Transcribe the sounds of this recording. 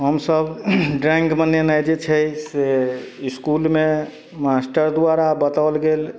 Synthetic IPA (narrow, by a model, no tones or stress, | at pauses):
ɦəmsəbɖɾɛ̃ŋɡbənenajd͡ʒet͡ʃʰɛseiskulme | masʈəɾd̪aɾabət̪aʊlɡel